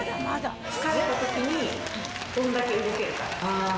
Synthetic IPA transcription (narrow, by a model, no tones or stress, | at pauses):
mad̪a | t͡sɨ̥kaɾet̪at̪o̞kʲiɲ̟i | d̪̥õ̞nd̪ake̞ɯ̟ɡo̞ke̞ɾɯ̟ka̰ɾa